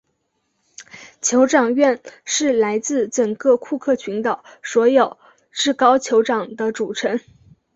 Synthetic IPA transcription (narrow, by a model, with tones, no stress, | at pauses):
t͡ɕʰjo˧˥ʊʈ͡ʂɑ˨˩ŋɥɛ˥˧nʂɻ̩˥˩la˧˥ɪt͡sɹ̩˥˩ʈ͡ʂə˨˩ŋkɤ˥˧kʰu˥˧kʰɤ˥˩t͡ɕʰy˧˥nt̪ə˨˩ʊswɔ˧˥jo˨˩ʊ | ʈ͡ʂɻ̩˥˩kɑ˥ʊt͡ɕʰjo˧˥ʊʈ͡ʂɑ˨˩ŋd̪ə˦ʈ͡ʂu˨˩ʈ͡ʂʰə˧˥n